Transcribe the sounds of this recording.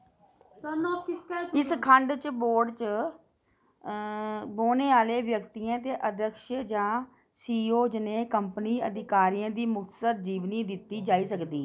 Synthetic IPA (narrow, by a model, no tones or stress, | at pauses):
ənokɪskaɪskʰəɳɖt͡ʃboːɾɖt͡ʃə | boːneːaːleːʋjəkt̪iːãːt̪eːʔəd̪əkʃəd͡ʒãː | siːoːd͡ʒneːkəmpniːəd̪ɪkaːɾiːãːd̪iːmʊkt̪səɾd͡ʒiːʋniːd̪ɪt̪ːiːd͡ʒaːiːsəkd̪iː